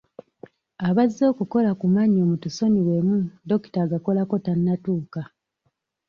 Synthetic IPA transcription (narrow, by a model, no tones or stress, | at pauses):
aβazːo̞ːkuko̞lakumaɲo̞ːmutuso̞niwe̞mudo̞ki̥taːɡako̞lako̞tanːatuːka